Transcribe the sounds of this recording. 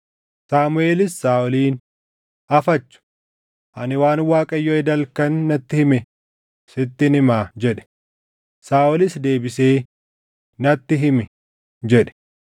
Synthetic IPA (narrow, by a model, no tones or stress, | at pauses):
saːmʊeːlɪsːaːʔɔliːn | ɐfɐt͡ʃːʊ̥ | ʔɐnɪwaːnwaːkʼɐjːoɛd̪ɐlkɐnːɐt̪ːɪhɪmɛ | sɪt̪ːɪnɪmaːd͡ʒɛᶑɛ̥ | saːʔɔlɪsd̪e̞ːbɪseː | nɐt̪ːɪɦɪmɛ | d͡ʒɛᶑɛ̥